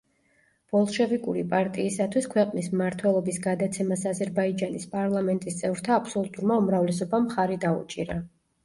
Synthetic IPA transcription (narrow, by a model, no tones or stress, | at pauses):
b̥ɔlˠʃɛvikʼuɾipʼaɾt̪ʼiːsat̪ʰwiskʰwɛqʼnismmaɾt̪ʰwɛlˠɔbisɡad̪at̪sʰɛmasazɛɾbaid͡ʒanispʼaɾlˠamɛnt̪ʼist̪sʼɛvɾt̪ʰaːpʰsɔlˠut̪ʼuɾmaumɾavlɛs̬ɔbamχaɾid̪aṵt͡ʃʼiɾa